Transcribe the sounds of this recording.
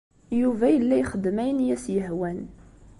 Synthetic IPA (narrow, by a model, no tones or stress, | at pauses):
juvæjəlːæjχəd̪mæjənjæsjəɦwæn